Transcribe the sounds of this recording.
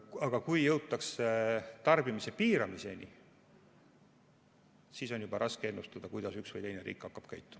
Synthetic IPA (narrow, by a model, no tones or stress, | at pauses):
ɑɡ̥ɑkujjɤwt̪ːˑɑkst̪ɑrb̥imise̞piːɾɑmise̞nḭ | siso̞njubɑɾʔɑskee̞nːust̪ɑd̪̥ɑkujd̪ɑsyksvɤjt̪ejne̞ɾḭːkːɑkːɑb̥kæjt̪ˑːu̥